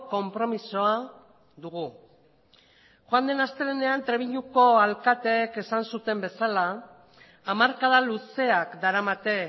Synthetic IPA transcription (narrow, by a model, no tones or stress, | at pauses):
ko̞mpɾo̞misoa | ðuɣ̞u | xoand̪e̞nast̪e̞lene̞ant̪ɾe̞βiɲuko̞alkat̪e̞ːke̞sansut̪e̞mbe̞salaː | maɾkaðaluse̞akd̪aɾamat̪e̞